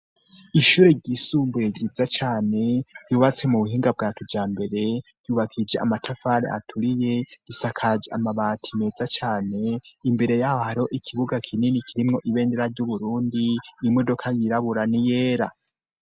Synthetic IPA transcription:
iʃuːɾe̞ɟisuːmbujeɟizat͡ʃaːne̞ɟuːβat͡se̞muβuɦiːŋɡab̚ɡaːtʰivd͡ʒaːmbe̞ɾe̞ɾ̥ɟ̥uːβakʰid͡ʒeʔa̰matʰafaɾḛʔa̰tʰuɾije̞ɡ̥isakʰad͡ʒea̰maβaːtʰime̞ːzat͡ʃaːne̞imbe̞ɾe̞jaːhohaɾio̞ʔikʰiβuɡakʰininikʰiɾimŋo̞ʔiβe̞ːndeɾaɾɟuβuɾuːndimodo̞kʰajiɾaβuɾanije̞ːɾa̰

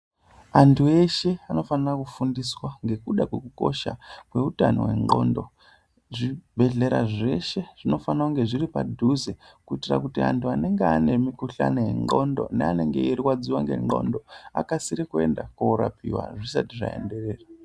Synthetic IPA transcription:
antʰue̞ʃe̞ano̞fanirakufundiswaŋɡe̞kuɗakwe̞kuko̞̰ʃa̰kwe̞utano̰we̞̰ŋ͡ǃo̞̰ndo̞ | ʐibʱe̞ɮe̞ɾa̰ʐe̞ʃe̞ʐ̥ino̞fanauŋɡe̞ʐiripadʱuze | kuitira̰kutia̰ntʰuane̞ŋɡeane̞mikuɬa̰nojeŋ͡ǃo̞̰ndo̞̰nea̰ne̞ŋɡe̞iriwad͡ziwaŋɡe̞̰ŋ͡ǃo̞̰ndo̞a̰kasiɾikue̞ndakuuɾa̰pʰḭwa̰ʐisatiʐa̰e̞̰nde̞re̞ːra

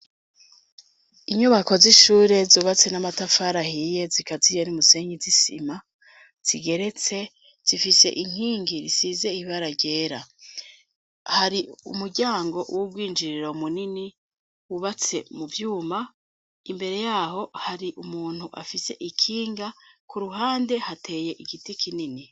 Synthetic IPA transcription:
iɲuβako̞ziʃuːɾe̞zuːβat͡se̞namatafaɾahije̞zikazijenimuse̞ŋɡizisḭma | z̥iɡe̞ɾe̞t͡se̞ | z̥ifise̞̰ʔiŋ̥hiːŋɡiɾisize̞iβaɾaɟe̞ːɾa | haɾiumuɾɟaːŋɡo̞ʔwuɡwiːnd͡ʒiɾiɾoumunini | uβat͡se̞muvjuːma | imbe̞ɾe̞jaːho̞haɾiʔumuːn̥huʔa̰fise̞ʔikʰiːŋɡakuɾuɦaːnde̞hatʰe̞ːje̞ʔiɡitikʰinini

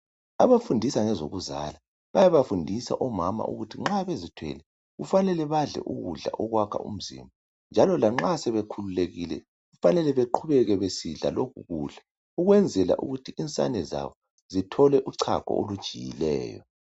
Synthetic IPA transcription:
a̰βafundʱisaŋɛzoɣuza̰la | βajaβafundʱisa̰ʔɔmama̰ʔṵɣutʰiŋ͡ǁaβezitʰwɛ̰lɛ | ɣufanɛlɛβaɮɛ̰ʔuɣṵɮa̰ʔɔɣwakʰa̰ṵm̩zḭmbʱa | nd͡ʒʱalɔlaŋ͡ǁasɛβekʰululeɣilɛ̰ | ɣufanɛlɛβeǃʰuβɛɣɛβesiɮa̰lokʰuɣuːɮa | uɣwɛnd͡zʱɛla̰ʔṵɣutʰiʔint͡sʼa̰nɛza̰βɔ | zitʰɔlɛʔuǀʰa̰kʰɔ̰olud̥ʒ̥ʱijḭlɛ̰ːjɔ

